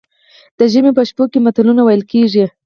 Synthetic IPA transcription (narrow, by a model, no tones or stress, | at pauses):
d̪̥əʒəmepəʃpokemat̪alunawajəlkeʐi